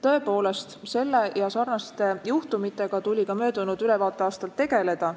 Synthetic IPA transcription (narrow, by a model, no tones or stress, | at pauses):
t̪ɤ̞e̞po̞ːle̞st̪se̞lːe̞jɑsɑrnɑst̪e̞juht̪umit̪ːˑe̞ɡ̥ɑt̪ulʲikɑmø̞ːd̪̥unud̪yle̞vɑːt̪ːˑe̞ɑːst̪ɑlt̪ːe̞ɡ̥e̞le̞d̪̥ɑ